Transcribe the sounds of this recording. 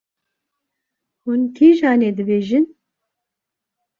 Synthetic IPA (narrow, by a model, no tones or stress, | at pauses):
hunkʰiːʒɑːneːd̪ɨbeːʒɨn